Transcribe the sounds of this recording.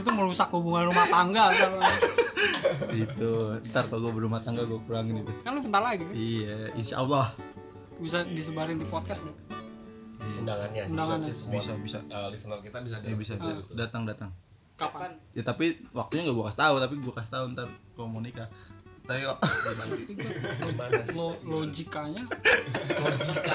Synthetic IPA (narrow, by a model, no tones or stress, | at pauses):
it̪̬uməɾusakːhubuŋanrumaht̪aŋɡaala | ɡit̪uənt̪arkaloɡuabərumaht̪aŋɡaɡuakuɾaŋɪnit̪ukanlukənt̪arlaɡiijainʃa̰ʔɑlːɑh | bisadis̬əbaɾɪnd̪ipɔt̪̚kasdɛ | iundaŋanɲaundaŋanɲasbisabisa̰lisənalkit̪abisadabis̬abisat̪dat̪aŋdat̪aŋ | kapajat̪apiwak̚t̪uɲaŋɡaɡuakast̪aut̪ap̬iɡuakas̬t̪aʊənt̪arkomunikat̪aikɔbat̪ubaaslolod͡ʒikaɲa | oɡika